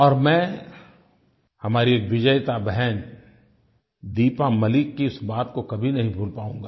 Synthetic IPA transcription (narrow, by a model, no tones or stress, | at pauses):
ɔːɾmɛ̃ː | hɐmaːɾieːkʋɪd͡ʒəjt̪abɛɦɛn | d̪iːpamɐlɪkːiʊsbaːt̪kokɐbʱinɐɦĩbʱuːlpaːũːɡaː